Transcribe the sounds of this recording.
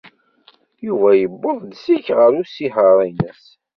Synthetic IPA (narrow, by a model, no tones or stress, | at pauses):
juvæjəbːəðˤd̪siçʁəɾusiħəɾˤinæs